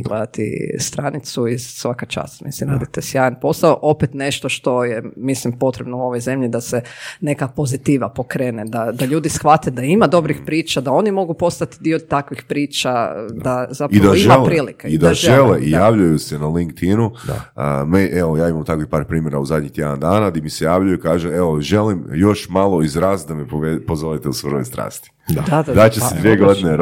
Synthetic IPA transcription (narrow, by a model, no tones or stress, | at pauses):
ɡled̪at̪ḭst̪ɾanit̪suiz̥sʋakat͡ʃa̰ːsmḭslimɾaːd̪it̪esjaːjanpo̞saoʔo̞pet̪ne̞ʃt̪o̞ʃt̪o̞jemislimpo̞t̪ɾebnouo̞ʋo̞jze̞mʎid̪asene̞kapo̞zit̪iʋapokɾeːned̪ad̪aʎuːd̪isxʋat̪ed̪aimad̪o̞bɾixpɾiːt͡ʃad̪ao̞nimo̞ɡupo̞st̪at̪id̪iot̪akʋixpɾiːt͡ʃad̪azapid̪aiʒmalepɾiːlikeid̪aʒeleijaːʋʎujusenaliŋk̚t̪inud̪a̰meʔeojaːimamt̪akʋixpaːɾpɾiːmje̞ɾauzad̪ɲiht̪jed̪and̪aːnad̪imisejaːʋʎujuikaːʒeeoʒe̞limjo̞ʃmalˠo̞izɾast̪̚d̪amepopozolit̪eusʋɾojst̪ɾa̰ːst̪i̥d̪ad̪ad̪ad̪at͡ɕessed̪vʋieɡo̞d̪ine